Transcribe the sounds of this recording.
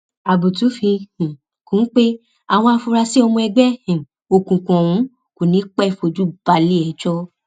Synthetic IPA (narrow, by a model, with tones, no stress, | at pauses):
a˨bu˨tu˨˦fĩ˧hĩ˨ | kũ˨˦n̩˦k͡pe˦ | a˨w̃ɔ̃˧a˧fu˧ɾa˧si˦ɔ˧mũ˧ɛ˧ɡ͡bɛ˦hĩ˨ | o˧kũ˨kɔ̃˨wũ˨˦ | ku˨nĩ˨˦k͡pɛ˦i˦˨fo˧d͡ʒu˦ba˧li˦ɛ˨˦d͡ʒɔ˦